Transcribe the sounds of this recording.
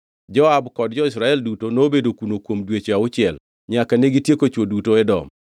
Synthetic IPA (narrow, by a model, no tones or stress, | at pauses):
d͡ʒɔabkɔd̚d͡ʒɔɪsɾaɛldutonoːbedokunokwomdwet͡ʃaʊt͡ʃɪɛl | ɲakaneɡitjekot͡ʃwodutoɛdɔ̰m